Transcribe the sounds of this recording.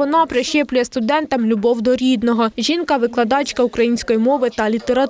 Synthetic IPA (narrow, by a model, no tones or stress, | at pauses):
ɔnɑpɾɪʃɛplʲʊjɛst̪ʊd̪ɛnt̪ɐmlʲʊbɔwd̪ɔɾʲid̪nɔɦɔʒʲinkɐʋɪklˠɐd̪ɑt͡ʃkɐukɾɐjinʲsʲkɔjimɔʋɪt̪ɐlʲit̪eɾɐt̪